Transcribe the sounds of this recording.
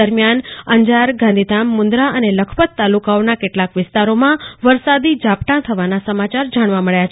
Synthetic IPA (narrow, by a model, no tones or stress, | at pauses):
əɾmjanəɲd͡ʒaɾɡãnd̪ʱid̪amːʊnd̪ɾaʔəneləkʰpət̪ːalukaonakeʈlakʋɪst̪aɾomãʋəɾsad̪id͡ʒapʈãt̪ʰəʋanasəmat͡ʃaɾd͡ʒaɽ̃ʋaməɭjat͡ʃ